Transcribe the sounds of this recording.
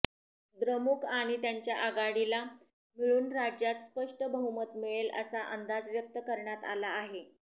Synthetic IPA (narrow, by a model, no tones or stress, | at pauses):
d̪ɾəmukʰaɽ̃it̪jaɲt͡ɕjaʔəɡaɽila | miɭuːnɾad͡ʑjat̪spəʂʈəbəɦumət̪miɭelə̰saʔənd̪ad͡zʋjək̚t̪əkəɾɳjat̪a̰laːɦe